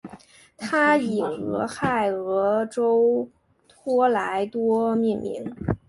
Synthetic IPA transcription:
t̪ʰa˥i˨˩ɤ̰˧˥xa˥˩ɪɤ˧˥ʈ͡ʂo˥ʊ | t̪ʰwɔ˥la˧˥ɪt̪wɔ˥mi˥˩nmḭ˧˥ŋ

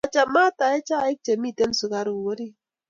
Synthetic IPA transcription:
ɔ˨t͡ʃa˨ma˦ta˨e˦t͡ʃa˦˨i˦k̚t͡ʃe˨mi˦˨te˦n˦su˨ka˨ɾu˨wo˦ɾi˦

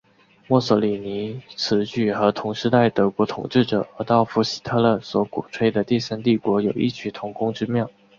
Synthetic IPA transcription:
mwɔ˥˩sɔ˧˥li˨˩ni˧˥t͡sʰɹ̩˧˥t͡ɕy˥˩xɤ˧˥t̪ʰʊ˧˥ŋʂɻ̩˥˧t̪a˥˩ɪt̪ɤ˧˥kwɔ˧˥t̪ʰʊ̰˨˩ŋʈ͡ʂɻ̩˥˩ʈ͡ʂɤ˨˩ə˧˥t̪ɑ˥˩ʊfu˧˥˩ɕi̥˧˥t̪ʰɤ˥˧lə˥˩swɔ˧˥kṵ˨˩ʈ͡ʂʰwe˥ɪd̪ə˨t̪i˥˩sa˥nt̪i˥˩kwɔ˧˥jo˨˩ʊḭ˥˩t͡ɕʰy˧˥t̪ʰʊ˧˥ŋkʊ˥ŋʈ͡ʂɻ̩˥mjɑ˥˩ʊ

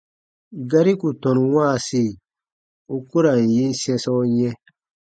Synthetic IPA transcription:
ɡa˦ɾi˦ku˨tɔ̃˨n˨waː˦˨si˦˨ | u˦ku˦ɾa˨n˨ji˦n˦sɛ̃˦sɔ˦ɲɛ̃˦

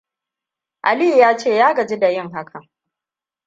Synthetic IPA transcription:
ʔa˨li˦˨jaː˦t͡ʃeː˦˨jaː˦ɡɐ˨d͡ʒi˦da˨jɪ˦ŋɦa˦kʰa˨

